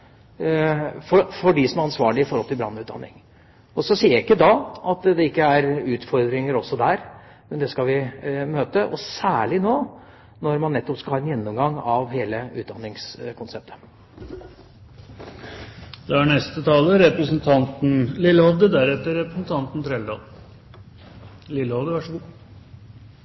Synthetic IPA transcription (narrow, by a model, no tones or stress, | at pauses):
fɔfɔɖɪsɔmæɾɑnsʋɑːɭɪɪfɔɾhɔlt̪ʰɪlbɾɑ̰nːʉːt̪d̪ɑ̰nːɪ̰ŋ | ɔsɔsiːəɾæɪkːəd̪ɑːɑt̪d̪ɛɪkːəæɾʉːt̪fɔɾd̪ɾɪŋəɾɔsːɔd̪æɾ | mɛnd̪ɛskɑʋɪmøːt̪əʔɔsæːɭɪnoː | nɔɾmɑnːɛt̪ːɔpskɑhɑːɛnjɛnːɔmɡɑŋɑʋɦeːləʉːt̪̚d̪ɑnːɪŋskʰʊnsɛp̚t̪ʰə̥ | d̪̥ɛæɳɛst̪ət̪ʰɑːləɾɛpɾəsn̩t̪ʰɑnt̪n̩lɪlːəhɔʋd̪əd̪æɾɛt̪ːəɾɾɛpɾəsn̩t̪ʰɑnt̪n̩t̪ʰɾeːld̪ɑ̰ːl | lɪlːəhɔʋd̪əʋɑʂəɡuː